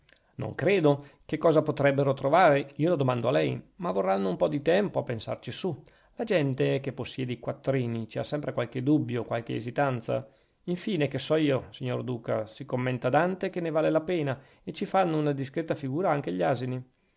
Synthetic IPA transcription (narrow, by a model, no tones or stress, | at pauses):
no̰ŋkɾeːd̪okekːɔːzapot̪ɾɛbːeɾot̪ɾovaːɾeiːolod̪omand̪oalɛjmavorːanːoumpɔd̪it̪ɛmpoapːensa̰rt͡ʃisu | lad͡ʒɛnt̪ek̟epːosːjɛːd̪eikwat̪ːɾiːnit͡ʃia̰sɛmpɾekwalk̟ed̪ubːjokwalk̟ḛːzit̪ant̪sa̰ | iɱfiːnekesɔiːosiɲːord̪uːka̰sikomːɛnt̪ad̪ant̪ekenːevaːlelapeːna | et͡ʃifanːounad̪iskɾet̪afiɡuːɾaaŋk̟eʎːaːzini